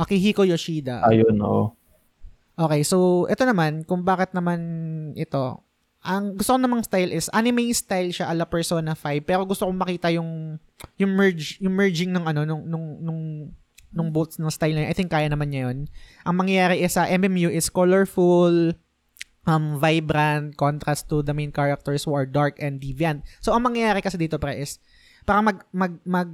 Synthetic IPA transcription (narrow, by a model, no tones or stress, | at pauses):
ɐkiɦiːkojoʃiːd̪ɐ̰ʔɐ̰jono̰ʔ | ʔo̞ːkɛjsowʔɛ̰t̪o̞nɐmankʊŋbaːkɪt̪̚nɐmanʔɛt̪o̞ | ʔɐŋɡʊst̪okonɐmaŋst̪ajlʔɪsʔanɪmejst̪ajlʃaʔɐlɐpɛɹsonɐfajb̚pɛːɾo̞ɡʊst̪okoŋmɐkiːt̪ɐjʊŋ | jʊŋmɛɹd͡ʒjʊŋmɛɹd͡ʒɪŋnʊŋʔɐno̞nʊŋnʊŋnʊŋ | nʊŋbot̪snɐŋst̪ajlnɐjoʔɐ̰jt̪ɪŋkːaːjɐnɐmanɲɐjonʔɐŋmɐŋjɐjaːɾɛʔɛsɐʔɛmʔɛmjuʔɪskolɛɹful | ʔɐmvajbɾɐnt̪̚kont̪ɾast̪ːʊd̪ɐmẽjnkaɹɐk̚t̪ɛɹshuʔɐɹd̪aɹkɛnd̪ːiviɐnt̪̚soʔɐŋmɐŋjɐjaːɾɛkɐsɛd̪iːt̪o̞pɾɛʔɪs | paːɾɐmɐɡ̚mɐɡ̚mɐɡ̚